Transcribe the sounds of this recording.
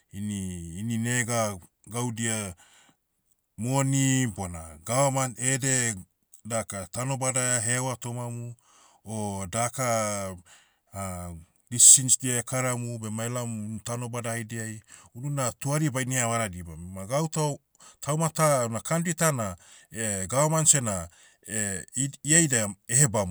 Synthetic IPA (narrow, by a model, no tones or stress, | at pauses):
iniːnineɡa | ɡawdia | monibonaɡawamaede̞ | dakatano̞badaaɦewatomamu | odaka | disinsdiakaɾamubemaelamunutanobadaijdiajununatuaɾibajniaβaɾadibamaɡawta | tʰawmatanakanditana | eɡawamansena | iajdaehebamu